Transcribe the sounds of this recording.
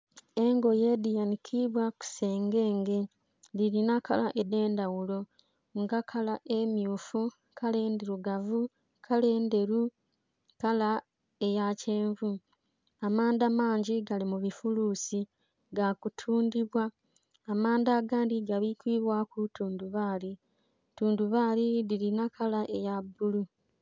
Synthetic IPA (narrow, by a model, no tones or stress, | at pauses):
e̞ŋɡo̞je̞dijanikʰiβwaku̥se̞ːŋɡeːŋɡe | liɾinakalaʔede̞ːndawulo̞ | ŋɡakʰalaʔe̞mjuːfu | kʰaleːndiɾuɡavu | kʰale̞ːnde̞ɾu | kala | ejace̞ːɱvu | amaːndamaːɲɟiɡalimuβifuluːsi | ɡakutʰuːndiβwaː | maːndaːɡaːndiɡaβikwiːβwakutuːnduβaːli | tuːnduβaːliðilinakʰalaʔejabːulu